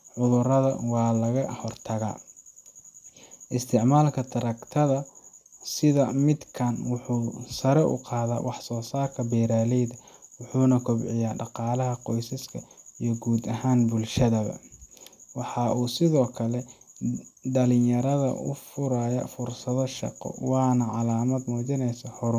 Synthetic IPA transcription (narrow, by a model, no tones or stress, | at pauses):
ʕʊðʊrɐðɐ̰wɑːlɐɣɐhɔrt̪ʰɐɣa̰ː | ʔɪst̪ʰɪʕmaːlkʰɐt̪ʰɐɾɐkt̪ʰɐðɐsɪðɐmɪd̪kʰɐnwʊħuːsɐɾɛʔʊ̰qɑːða̰ːwɑħsɔːsaːrkʰɐbɛɾaːlɛjðɐwʊħuːnɐkʰʊbʕɪjaːɖɑqɑːlɐɦɐqɔjsɐskʰɐijɞɡuːd̪ɐɦaːnbʊlʃɐðɐβɐ̰ | wɑħɑʔuːsɪðɔːkʰɐlɛ | ɖɐlɪjɐɾɐðɐ̰ʔʊ̰fʊɾɐjɐ̰fʊrsɐðɔʃɑ̰qɔ̰wɑːnɐʕɑlaːmɐd̪muːt͡ʃɪnɛjsɐhɔɾʊ